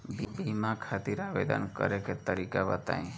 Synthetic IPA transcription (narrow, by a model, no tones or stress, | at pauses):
bibimãkʰat̪iɾaʋḛd̪ə̰nkə̰ɾeket̪əɾikabət̪a̰ĩ